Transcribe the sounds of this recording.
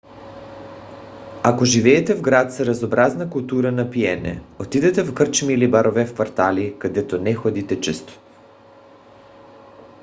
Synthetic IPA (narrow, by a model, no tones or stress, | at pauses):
akoʒivɛːt̪ɛvɡɾat̪saɾazobɾaznakulˠt̪uɾanapiɛnɛ̰ot̪id̪ɛt̪ɛfkrt͡ʃmiːlibaɾovɛfkvaɾt̪alikad̪ɛt̪onɛxɔd̪it̪ɛt͡ʃɛst̪o̥